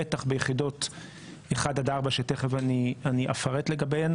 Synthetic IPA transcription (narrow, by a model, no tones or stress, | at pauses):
etaχbejeχido̞t | eχad̪adaʁbaʃeteχevanianiʔa̰faʁetle̞ɡabejan